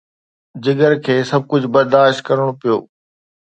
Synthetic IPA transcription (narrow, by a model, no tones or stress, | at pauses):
d͡ʑɪɡəɾkʰeːsɐb̚ʱkʊd͡ʑʱbɐɾd̪aːʃt̪̚kɐɾəɽ̃opijo̰ː